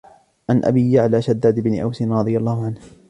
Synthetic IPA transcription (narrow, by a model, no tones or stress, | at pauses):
ʕanʔa̰biːjaʕlaːʃad̪ːaːd̪ɪbnɪʔa̰wsɪnɾˤɑd̪ˤɨjalˤːaːhʊʕanh